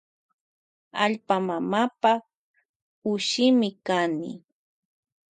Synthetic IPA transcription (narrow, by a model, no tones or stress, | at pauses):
a̰ʎpamamapa | ʊʃɪmɪkanɪ̰